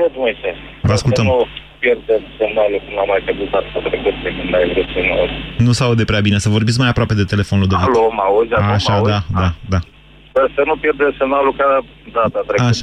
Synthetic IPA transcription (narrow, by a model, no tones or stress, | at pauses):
ed̪umese | vəaskult̪əmnu | pjerd̪emsemnalukunamːajted̪ut̪at̪at̪ɾekut̪̚d̪ekɨnd̪ajvɾusenunusaud̪epɾeabine̞səvo̞rbit̪skmajapɾoape̞d̪e̞t̪e̞le̞fo̞nuld̪ealomauzʲaaoʃad̪ad̪ad̪a | əsənupjerd̪esemnaluka | d̪ad̪at̪ɾekːauʃa